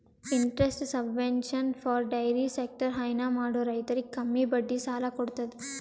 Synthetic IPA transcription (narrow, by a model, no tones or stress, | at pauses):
iɳʈɾesʈsɐbʋenʃɐnfʰaːɾɖɐjɾisek̚ʈɐɾɦɐjnamaːɽoɾɐjt̪ɐɾikːɐmːibɐɖːisaːlɐkoɽut̪ɐd̪i